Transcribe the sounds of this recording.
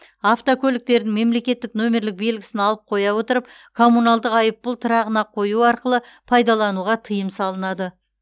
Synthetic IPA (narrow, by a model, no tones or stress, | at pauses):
aft̪okʲʰɵlɪk̚t̪e̞ɾd̪ɪŋme̞mle̞kʲe̞t̪ːɪkno̞me̞ɾlɪk̚be̞lɡʲɪ̥sɪnɑlˠəp̚qʰo̞jɑwo̞t̪əɾəp̚ | kʰo̞munɑlˠd̪əqɑjəpːʊlˠt̪ʰəɾɑʁənɑqʰo̞juɑɾqəlˠə | pʰɑjd̪ɑlˠɑnuʁɑt̪ʰəjəmsɑlˠənɑd̪ə